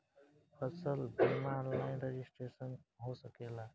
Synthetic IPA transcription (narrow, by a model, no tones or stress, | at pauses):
pʰəsəlbimaɾnajɾed͡ʒisʈɾesənɦosəkela